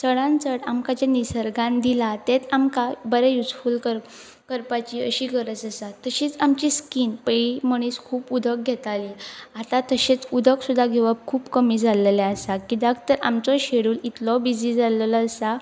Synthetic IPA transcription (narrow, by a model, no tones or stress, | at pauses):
səɽãnt͡səɽamkat͡ɕanisəɾɡãnd̪ilat̪et̪amkabəɾɛjud͡zfuːlkəɾ | kəɾpat͡ɕiə̰ɕiːkəɾət͡səsat̪əɕit͡samt͡ɕiskiːnpeɭiməɳ̃iːskʰuːpud̪ʱək̚ɡʱɛt̪aliat̪at̪əɕet͡sud̪ʱəksud̪ʱːaɡʱeʋəp̚kʰuːpkəmid͡zʱaleleəsakid̪akʰt̪əɾa̰mt͡sɔɕeɽuːlit̪lɔbid͡zid͡zaləlɔəsa